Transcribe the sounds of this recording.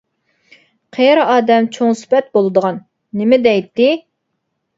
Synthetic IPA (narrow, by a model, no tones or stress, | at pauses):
qʰeɾɑːd̪ɛmt͡ʃʰoŋspɛt̪̚bolˠɨd̪əʁɑnː | ɪmɪd̪ɛjt̪ːɪ